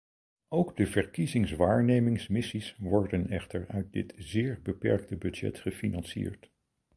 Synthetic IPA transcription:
owɡdəvəɹkizɪŋsʋaːɹnejmɪŋsmɪsisʋɔɹdənɛχtəɹœɥt̚dɪ̰tzɪːɹbəpɛ̰ɹk̚təbɵdd͡ʒɛ̰tχəfinɑnsḭːɹt

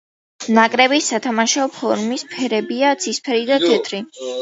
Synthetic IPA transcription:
nakʼɾɛbisːat̪ʰamaʃaɔpʰɔɾmispʰɛɾɛbiat̪sʰispʰɛɾid̪at̪ʰɛt̪ʰɾi

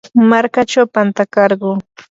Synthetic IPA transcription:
maɾkat͡ʃawpant̪akɑɾɢoː

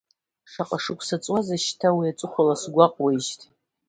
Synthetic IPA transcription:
ʂaqʼaʂɨkʷʰʼsat͡sʼwazaʃtʰawiat͡sʷʼʊχʷalasɡʷaqʼwaʃtʰʼ

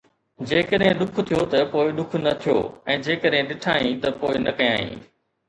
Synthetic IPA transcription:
d͡ʑeːkəɗɦɪ̃ɗʊk̆ʰt̪ʰijot̪ɐpoːɪɗʊkʰnɐt̪ʰijo̰ːɛ̃ːd͡ʑeːkəɗɦɪ̃ɗɪʈʰaːĩːt̪ɐpoːɪnɐ̰kɐja̰ːḭ̃ː

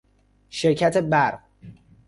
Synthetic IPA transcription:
ʃeɾcʰæt̪ʰe̞bæɾʁ

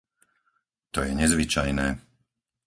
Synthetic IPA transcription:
t̪ɔjɛɲɛzʋit͡ʃajnɛː

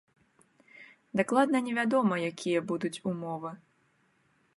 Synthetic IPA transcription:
d̪aklˠad̪nɐnʲɛvʲad̪ɔmɐjakʲʰijɐbud̪ut͡sʲumɔvɨ

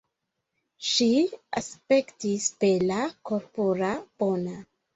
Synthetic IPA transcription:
ʃiaspe̞ktispelakoɾpoɾab̥ona

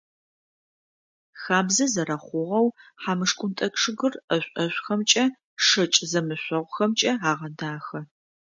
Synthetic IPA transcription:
xaːbzɐzɐɾɐχʷʊʁɐwħaːmɨʂkʷʼʊntʼɐkʼʂɨɣɨrɐɕʷʼɐɕʷʼxɐmt͡ʃʼɐ | ʂɐt͡ʃʼzɐmɨɕʷɐʁʷʊxɐmt͡ʃʼɐaːʁɐdaːxɐ

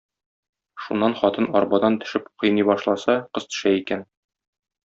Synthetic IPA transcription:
ʃunːɑnχɒt̪ɤnɒɾbɑd̪ɑnt̪ɵ̆ʃɘpqɤ̆jnibɒʃlˠɑsɑqɤ̆zt̪ɵ̥̆ʃæikæn

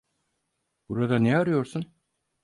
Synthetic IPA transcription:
b̥uɾad̪anɛaɾujoɾsun

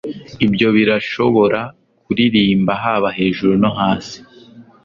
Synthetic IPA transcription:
ibjo̞βiɾaʃo̞βo̞ɾa | kuɾiɾiːmbaɦaːβaɦe̞ːʒuɾuno̞ɦaːsi̥

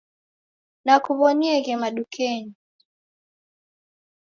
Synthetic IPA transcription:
nakuβɔniɛɣɛmaɗukʰɛni

